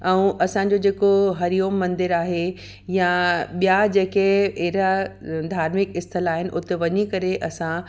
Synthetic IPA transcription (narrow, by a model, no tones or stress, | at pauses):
ɛ̃ũʔɐsãɲd͡ʑod͡ʑeːkoɦɐɾijoːmːɐ̃nd̪ɪɾaːɦe | jaɓijad͡ʑeːkeeɦɾad̪ʱaːɾmɪkɪst̪ʰəlaːɦɪnɪ̆ʔʊt̪eʋɐɲikɐɾeʔɐsã